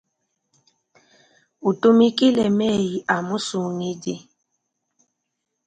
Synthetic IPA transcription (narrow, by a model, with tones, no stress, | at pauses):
u˨tu˦mi˦ki˦le˨me˦˨ji˨ʔa˨mu˦su˨ŋi˦dɪ˦